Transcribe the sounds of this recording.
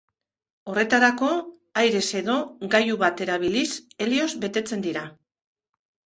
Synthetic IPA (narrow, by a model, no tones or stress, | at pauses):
o̞re̞t̪aɾako̞ | ajɾe̞se̞ðo̞ɡajuβat̪e̞ɾaβ̞ilise̞lio̞zbe̞t̪e̞t͡se̞nd̪iɾa